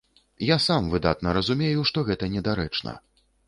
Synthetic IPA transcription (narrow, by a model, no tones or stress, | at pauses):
jasamvɨd̪a̰t̪̚nɐɾɐzumʲejuʂt̪ɔɣɛt̪ɐnʲɛd̪aɾɛt͡ʂnɐ̰